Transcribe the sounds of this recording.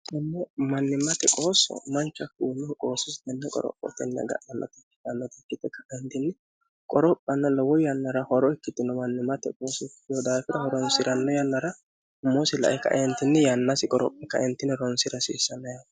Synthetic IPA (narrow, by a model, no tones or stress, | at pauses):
ɛnːɛmɐnːɪmɐt̪ɛkʼo̞ːsɔ̰mɐnt͡ʃːɐkuːlɔkʼo̞ːsʊsd̪ɛnːɛkʼɔ̰ɾɔ̰pʼːɔ̰t̪ɛnːɛ̰ɡɐ̰ʔɐnːɔ̰t̪ɪkːɪ̥ɐnːɔt̪ɪkːɪt̪ːɛkːɐʔɛnt̪ɪnːɛ | kʼɔɾɔpʼːɐnːɐlɔwɔjɐnːɐɾɐhɔɾɔɪkːɪt̪ːɪnɔmɐnːɪmːɐt̪ɛkʼoːsɔkɪjɔd̪aːfɪɾɐhɔɾɔnsɪɾʔɐnːɔjɐnːɐɾɐ | hʊmːosɪlɐ̰ʔɛkːɐ̰ʔɛnt̪ɪnːɛjɐnːɐsɪkʼɔɾɔ̰pʼːɛkːɐɛnt̪ːɪnɛɾɔnsɪɾɐsḭːsːɐnːɐja